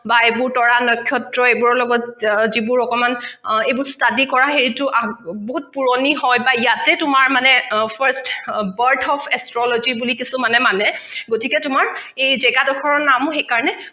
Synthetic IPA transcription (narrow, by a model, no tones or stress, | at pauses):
baebʊɹtɔɹanɔjkʰːjɔtɹɔejbuɹɔlɔɡɔtzibʊɹɔkɔmanejbʊɹstadikɔɹaɦeɹitʊʔaboɦut̚puɹoniɦɔjbaijatɛtʊmaɹmanɛpʰaɹstbəɹtʰɔpʰɛstɹɔlozibulikisumanɛmanɛɡotʰikɛtʊmaɹejzɛɡadɔkʰɔɹɔnamʊxejkaɹɔnɛ